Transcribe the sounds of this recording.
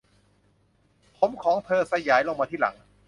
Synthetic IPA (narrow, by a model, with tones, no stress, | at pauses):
pʰo˩˦mkʰɔː˩˦ŋt̪ʰɤː˧sa˧jaː˨˩˦jlo˧ŋmaː˧t̪ʰiː˥˩la̰˩˦ŋ